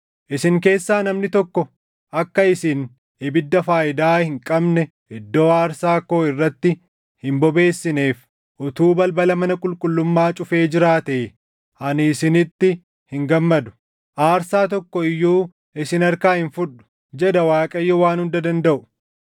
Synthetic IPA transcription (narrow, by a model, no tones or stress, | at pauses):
ʔɪsɪŋke̞ːsːaːnɐmnɪt̪ɔkːɔ | ʔɐkːɐɪsɪn | ɪbɪd̪ːɐfaːʔɪd̪aːhɪŋkʼɐbnɛ | ɪd̪ːo̞ːaːɾsaːkːo̞ːɪrːɐt̪ːɪ | hɪmbɔbe̞ːsːɪne̞ːf | ʔʊt̪uːbɐlbɐlɐmɐnɐkʼʊlkʼʊlːʊmːaːt͡ʃʼʊfe̞ːd͡ʒɪɾaːt̪eː | ʔɐnɪːsɪnɪt̪ːɪ | hɪŋɡɐmːɐd̪ʊ̥ | ʔaːɾsaːt̪ɔkːɔɪjːuː | ɪsɪnɐɾkaːhɪnfʊᶑʊ̥ | d͡ʒɛd̪ɐwaːkʼɐjːɔwaːnhʊnd̪ɐd̪ɐnd̪ɐʔʊ̥